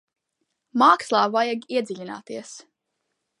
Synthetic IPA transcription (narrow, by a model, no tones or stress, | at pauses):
maːkslˠɑːvajaɡiɛd̪ziʎʲina̰ːt̪iɛs